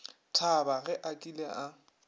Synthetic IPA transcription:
tʰabaɣɛʔakʼilea

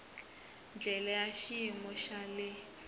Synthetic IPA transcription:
nd͡ɮʱɛlajaʃiimɔʃalɪ

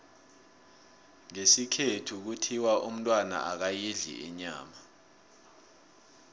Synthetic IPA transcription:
ŋesikʰetʰuk̬utʰiwaʔum̩tʼwana̰ʔak̬ajiɮḭɛ̰ɲa̰ːma

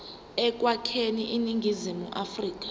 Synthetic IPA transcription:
ɛk̬ʼwakʰeniʔiniŋɡʱizimuʔafriːk̬ʼḁ

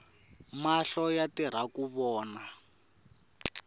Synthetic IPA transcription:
maɬɔjatiɾ̤akuβɔːna

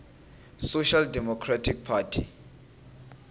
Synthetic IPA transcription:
soʃaldɛmɔkʰratʰik̚pʰaːtʰi

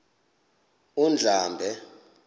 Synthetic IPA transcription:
und͡ɮʱaːmbʱɛ

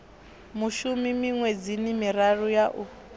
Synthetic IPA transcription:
muʃumimiŋwed͡zinimiɾarujaʔu

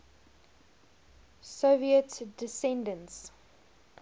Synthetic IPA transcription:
soviətdɪsɛ̃ndə̃ns

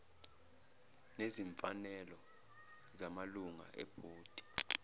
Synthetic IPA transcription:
neziɱfanɛlɔ | zamaluŋa̰ɛ̰b̥ʱoːd̥ʱi̥

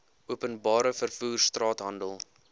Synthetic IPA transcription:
uəpənbɑːɾəfərfuːrstrɑːtɦɐndəlˠ

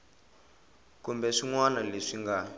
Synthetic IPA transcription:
kumbɛʂiŋwanaleʂiŋɡa

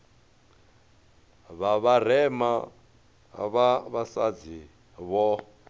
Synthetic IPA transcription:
βaβar̤ɛma | βaβasad͡zi | βɔ

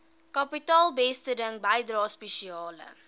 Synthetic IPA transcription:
kɐpitɑːlˠbɛstədəŋbɐjdrɑːspɛʃiɑːlə̰

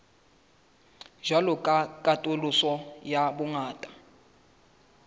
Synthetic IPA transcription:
d͡ʒalɔkʼakʼatʼolusɔjabuŋaːtʼḁ

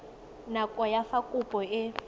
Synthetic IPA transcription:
nakʼɔjafakʼupʼɔɪ

